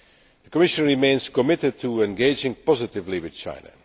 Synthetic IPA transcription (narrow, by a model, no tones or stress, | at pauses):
ðəkəmɪʃə̃nɹimẽɪ̃nz̥kəmɪtɨd̚tʰəɛ̃nɡeɪd͡ʒɪ̃ŋpɔzɪtɪvliwɪð̥t͡ʃʰã̰ɪ̃nə̰